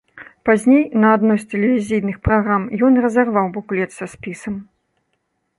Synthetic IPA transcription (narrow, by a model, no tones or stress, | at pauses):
pazʲnʲejnɐad̪nɔsʲt̪ɛlʲɛvʲizʲijnɨxpɾaɣɾamjɔnrɐzarvawbuklʲɛt̪sɐsʲpʲisɐm